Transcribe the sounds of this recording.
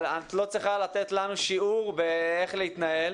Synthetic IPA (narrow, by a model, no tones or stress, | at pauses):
at̪lo̞t͡sʁiχalat̪et̪lanuʃiuʁbeeχleit̪nae̞l